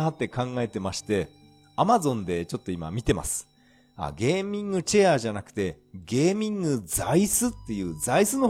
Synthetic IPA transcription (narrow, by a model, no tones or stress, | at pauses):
at̪ːe̞kãŋɡae̞t̪e̞maɕi̥t̪e̞ | amazõ̞nd̪e̞t͡ɕo̞t̪ːo̞ima̰mʲit̪e̞ma̰sɨ̥ | a̰ɡe̞ːmʲĩŋɡɯ̟t͡ɕeaːʑanakɯ̟̥t̪e̞ | ɡe̞ːmʲĩŋɡɯ̟d͡zaisɨt̪ːe̞jɯ̟ːzaisɨno̞